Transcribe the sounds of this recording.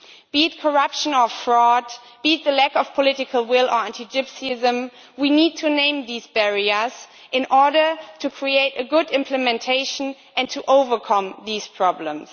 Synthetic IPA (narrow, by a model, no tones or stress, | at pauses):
b̥itkʰə˞ʌpʃə̃nəfɹɔd | b̥it̪̚ðəlækɔv̥pʰɔlɪɾɨkʰəl̩ˠwɪlə˞æ̃ntʰid͡ʒɪpsiɪzə̃m | winid̚tʰɨnẽɪ̃mðiːzbɛɹiə˞z | ɪ̃nʔɔɹɾə˞tʰukʰɹ̥ieɪɾɨɡʊɾɪ̃mpʰlɨmɛ̃ntʰeɪʃə̃n̩ | ʔɨ̃ntʰuʔoʊvə˞kʰʌ̃mðiz̥pʰɹ̥ɑblə̰̃ms